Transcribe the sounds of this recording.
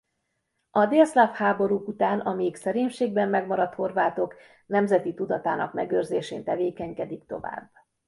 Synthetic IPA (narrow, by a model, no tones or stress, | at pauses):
ɒd̪eːlslafhaːbo̞ɾukut̪aːnɒmiksɛɾeːɲʃeːɡbɛmːɛɡmɒɾɒt̪ho̞rvaːt̪o̞k | nɛmzɛt̪it̪ud̪ɒt̪aːnɒ̰kmɛɡøːrzeːʃeːnt̪ɛveːkɛɲkɛd̪ikt̪o̞̰va̰ːbː